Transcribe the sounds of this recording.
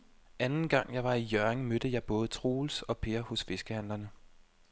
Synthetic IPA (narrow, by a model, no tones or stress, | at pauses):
ænn̩ɡ̥ɑ̈ŋ̰jɑ̈ɪʋɑ̈ijɶɐeŋmøɾ̥əjɑ̈ɪb̥ɔ̽ːð̞̩ˠət͡sʰʁo̝ːlsɒ̽pʰe̝ːɐhɔ̽sfe̝sɡ̥əhæn̰lɐnə